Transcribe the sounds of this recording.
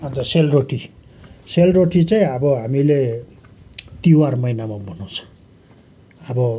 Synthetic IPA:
ʌnt̪ʌselroʈi | selroʈit͡saĩʌbʌɦamile | t̪iwarmʌjnamabʱʌnõt͡sʰʌ̥ | ʌbʌ

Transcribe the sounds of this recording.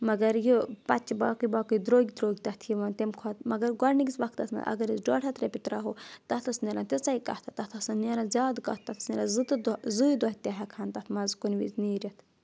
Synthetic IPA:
mɐɡɐɾjipɐt͡ʃbaːkubaːkud̪ɾoːɡʲd̪ɾoːɡʲt̪ɐt̪ʰjiʋɐnt̪emkʰot̪mɐɡɐɾɡɐɾniɡʲisʋɐkʰt̪ɐt̪mɐ̰ʔɐ̰ɡɐɾisɖoːʈʰɐt̪ɾepit̪ɾaːɦoːt̪ɐt̪ʰɐsneɾãnt̪ʲet͡sɐikɐ̰ht̪ʰat̪ɐt̪ʰɐsanneɾãzʲaːd̪kat̪̚ːɐt̪ʰsneɾãzɨt̪ɨd̪zujd̪ot̪ʲaɦakʰaːnt̪ɐt̪ʰmɐzkunʋḭzniːɾʲɐt̪ʰ

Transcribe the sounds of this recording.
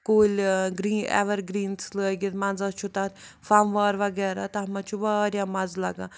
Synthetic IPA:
koːlʲɡɾiːnɛ̰ʋɐɾɡɾiːnsləːɡit̪mɐnd͡zat͡ʃʰut̪at̪fɐmʋaːɾʋɐɡɛːɾaːt̪ɐɦɐmɐt͡ʃʰubaːɾjaːmɐzlɐɡaː

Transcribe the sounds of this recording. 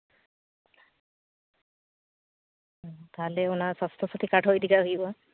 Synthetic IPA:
t̪alɛɔnasast̪ʰɔsat̪ʰikaʈʰɔjdikaɦibɔ

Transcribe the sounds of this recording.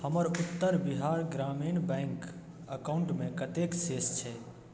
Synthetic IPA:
həməɾut̪ːəɾbiɦaɾɡɾaminbɛ̃ŋk | əkaʊɳʈmẽkət̪eksest͡ʃʰɛ

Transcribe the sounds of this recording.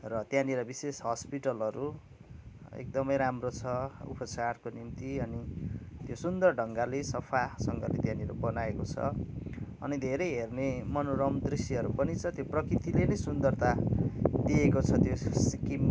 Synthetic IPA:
rʌt̪jãniɾʌbisesɦʌspiʈʌlɦʌɾu | ḛk̚d̪ʌmʌjɾamrot͡sʰʌṵpʌt͡sarkonimt̪iʌnit̪josund̪ʌrɖʱʌŋɡalesʌpʰasʌŋɡʌ̰lḛt̪jãniɾo̰bʌnaekot͡sʰʌ̰ | ʌ̰nid̪ʱeɾʌjɦernemʌnoɾʌmd̪risiɦʌɾupʌnit͡sʰʌt̪joprʌkrit̪ilenʌjsund̪ʌrt̪ad̪iekot͡sʰʌt̪josikim

